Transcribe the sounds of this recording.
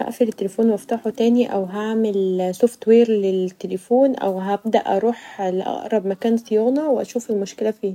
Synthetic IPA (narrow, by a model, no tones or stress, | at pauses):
æ̰ʔfilet̪ːelefoːnwæft̪aːħot̪æːniʔæwɦaʕmelsoft̪weːɾlet̪ːelefoːnʔæ̰wɦæb̚d̪æʔɑɾˤuːħlʔɑ̰ʔɾˤɑbmækæːnsijoːnɑweʔæ̰ʃuːfelmoʃkelæfiː